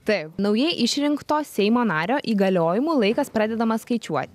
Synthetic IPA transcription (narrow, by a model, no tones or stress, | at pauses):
t̪ɐɪpnɐʊjɛɪʔɪʃʲɾʲɪŋkt̪oːsʲɛɪmoːnɑːɾʲoːʔiːɡɐlʲoːjɪmuːlˠɐɪkɐspɾɑːd̪ʲɛd̪ɐmɐskɐɪt͡ʃʲuɔt̪ʲ